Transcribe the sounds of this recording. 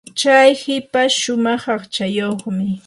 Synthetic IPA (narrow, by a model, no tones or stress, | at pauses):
t͡ʃajhɪpaʃʊmɑχɑχt͡ʃajoχmɪ